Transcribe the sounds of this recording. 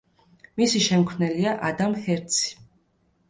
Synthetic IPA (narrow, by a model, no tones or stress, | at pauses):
misiʃɛmkʰwnɛliaʔad̪amhɛɾt̪sʰi̥